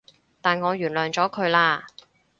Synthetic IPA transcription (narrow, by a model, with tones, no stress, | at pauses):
t̪aː˨nŋɔː˨˧jyː˨˩nlœː˨˩ŋt͡sɔː˨˥kʰɵ˨˧ɥlaː˧